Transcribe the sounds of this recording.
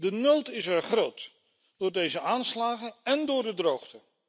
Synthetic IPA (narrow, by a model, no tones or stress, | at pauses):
dənowtɪsɛɹχrowt | d̥ʊːɹdejzəaːnslaːχəɛndʊːɹdədrowχtə